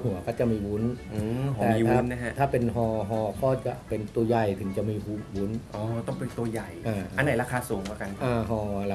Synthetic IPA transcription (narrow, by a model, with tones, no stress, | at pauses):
hu˨˩˦ɐkɔː˥˩t͡ɕa˨˩miː˧wu˦˥nʔɯ˧ɔ˧ɛː˧˨˩mi˧aː˦˥˩nnːa˦˥kʰa˦˥t̪ʰaː˥˩pe˧nɦɔː˧ɦɔː˧kɔː˥˩t͡ɕa˨˩pe˧nt̪u˧ɐja˨˩jt̪ʰɯ˩˦ŋt͡ɕa˨˩ʔmiː˧wu˦˥wu˦˥nʔɔː˧˦t̪ɔ˥˩ŋpe˧nt̪u˧ɐja˨˩jʔaː˧ʔa˧nːa˨˩jɾaː˧˥kʰaː˧suː˨˩˦ŋaː˧˩ka˧nʔaː˧ɦɔː˧la˧˦